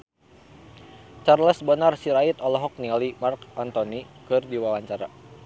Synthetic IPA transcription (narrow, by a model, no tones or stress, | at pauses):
t͡ʃarləsbənarsiɾait̪ɔlɔɦɔk̚niɔlimarkant̪onikɨrdiwawaɲt͡ʃaɾa̰